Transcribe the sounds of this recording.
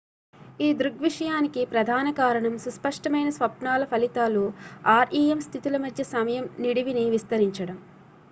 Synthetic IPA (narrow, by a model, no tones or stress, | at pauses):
iːd̪ɾuɡʋiʂɐjaːnikipɾɐd̪ʱaːnɐkaːɾɐɳɐmsuspɐʂʈɐmɐjnɐsʋɐpɳaːlɐpʰɐlit̪aːluaːɾiːemst̪ʰit̪ilɐmɐd̪ʱjɐsɐmɐjɐmniɽiʋiniʋist̪ɐɾiɲt͡ʃɐɽɐm